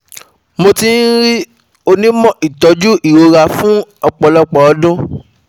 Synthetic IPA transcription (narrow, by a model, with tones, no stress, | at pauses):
mo˧ti˦n̩˦ɾi˦ | o˧nĩ˦mɔ̃˦˨ʔi˨tɔ˨˦d͡ʒu˦ʔi˦˨ɾo˧ɾa˧fũ˦ɔ˧k͡pɔ˨lɔ˦k͡pɔ˨ɔ˨˦dũ˦